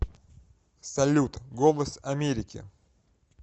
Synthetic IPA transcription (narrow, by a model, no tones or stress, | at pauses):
sɐlʲut̪ɡolˠəsɐmʲeɾʲɪkʲɪ̰